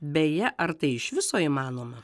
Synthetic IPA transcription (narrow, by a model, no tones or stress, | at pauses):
bʲɛjɛʔɐɾt̪ɐɪɪʃʋʲɪsoːiːmɑːnoːmɐ